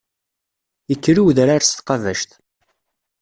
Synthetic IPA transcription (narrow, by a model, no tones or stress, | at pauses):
əkːɾiwðɾaɾst̪qɑvæʃt̪